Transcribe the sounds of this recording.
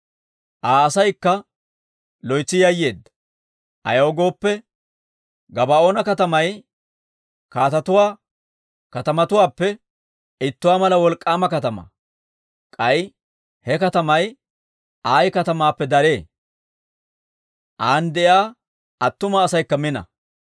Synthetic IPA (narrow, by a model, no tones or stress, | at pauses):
ʔaːsɐjkːɐ | lɔjt͡sːɪjɐjːe̞ːd̪ːɐ̥ | ʔɐ̰joːɡo̞ːpːɛ | ɡɐbɐo̞ːnɐkɐt̪ɐmɐj | kaːt̪ɐt̪ʊwaː | kɐt̪ɐmɐt̪ʊwaːpːɛ | ɪt̪ːʊwaːmɐlɐwɔlkʼːaːmɐkɐt̪ɐmɐ̰ | kʼɐj | hɛkɐt̪ɐmɐj | ʔaːjkɐt̪ɐmaːpːɛd̪ɐɾe̞ː | ʔaːnd̪ɛʔjaː | ɐt̪ːʊmɐːsɐjkːɐmɪnɐ̰